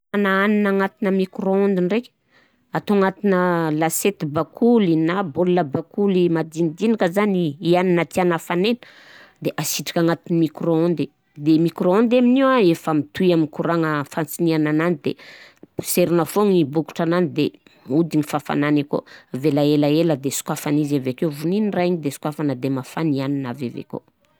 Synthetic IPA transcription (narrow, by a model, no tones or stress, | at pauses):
anaaninaŋat̪inəmikroond̪inrekʲ | at̪oaŋat̪inəlaset̪bakʰulinaboluləbakulimad̪inid̪inikəzaniianinət̪ianafanenə̥ | d̪eʔasiʈ͡ʂḁkʲaŋat̪inimikroond̪i | d̪emikɾoond̪aminiwaefəmit̪uaminkuɾaŋəfant͡sinianananid̪ḛ | seɾinafoŋibuku̥ʈ͡ʂananid̪e | ud̪iŋifafa̰naniko̰avelaelaeləd̪esu̥kwafanizavekevuniniraiɲid̪esu̥kwafanəd̪emafanianinavavḛko̰